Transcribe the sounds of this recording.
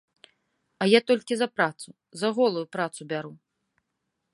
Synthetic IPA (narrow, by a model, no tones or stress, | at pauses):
ɐjat̪ɔlʲkʲizɐpɾat̪su | zɐɣɔlˠujupɾat̪subʲaɾu